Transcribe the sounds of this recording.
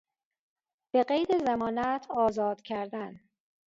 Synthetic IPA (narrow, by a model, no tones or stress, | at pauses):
b̥e̞ɢejd̪ezæmɒːnæt̪ʰɒːzɒːd̪̥cʰæɾd̪æn